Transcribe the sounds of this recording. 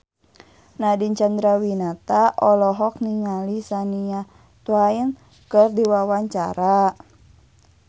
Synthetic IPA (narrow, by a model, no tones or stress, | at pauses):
nadiɲt͡ʃand̪ɾawinat̪aʔɔlɔɦɔk̚niŋalisania | t̪wain | kərdiwawaɲt͡ʃa̰ɾa